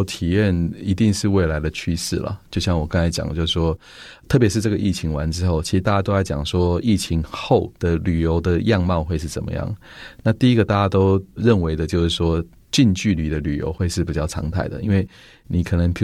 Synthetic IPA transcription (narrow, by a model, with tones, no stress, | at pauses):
t̪ʰi˨˩jɛ˥˩ni˧˥t̪i˥˧ŋʂɻ̩˥˧we˥˩ɪla˧˥ɪd̪ə˨t͡ɕʰy˥ʂɻ̩˥˩lə̰˩t͡ɕjo˥˧ʊɕjɑ˥˩ŋwɔ˨˩kɑ˥ŋt͡sʰa˧˥ɪt͡ɕjɑ̰˨˩ŋ˦t͡ɕjo˥˧ʂɻ̩˥˩ʂwɔ˥ | t̪ʰɤ˥˩pjʂɻ̩˥˧ʈ͡ʂɤ˥˩ɡə˩˧i˥˩t͡ɕʰi˧˥ŋwa˧˦nʈ͡ʂɻ̩˥xo˥˩ʊt͡ɕʰi˧˥ʂɻ̩˧t̪a˥˩t͡ɕja˥t̪o˥ʊsa˥˩ɪt͡ɕjɑ˨˩ŋʂwɔ˥i˥˩t͡ɕʰi˧˥ŋxo˥˩ʊd̪̥ə˨ly˨˩jo˧˥ʊd̪ə˨jɑ˥˧ŋmɑ˥˧ʊxwe˥˧ɪʂ̬ɻ̩˥˩t͡sə̰˨˩mə̰˦jɑ̰˥˩ŋ | na˥˧t̪i˥˩i˦˥ɡə˧t̪a˥˩t͡ɕja˥t̪o˥ʊɻə˥˩nwe˧˥ɪd̪ə˧t͡ɕjo˥˧ʊʂɻ̩˥˩ʂwɔ˥ | t͡ɕi˥˧nt͡ɕy˥˩li˨˩d̪ə˦ly˨˩jo̰˧˥ʊxwe˥˧ɪʂɻ̩˥˩pi˨˩t͡ɕjɑ˥˩ʊɑ̰˧˥ŋt̪ʰa˥˩ɪd̪ə̰˩ḭ˥nwe˥˩ɪ | ni˨˩kʰɤ˨˩nə˧˦˥ŋpʰ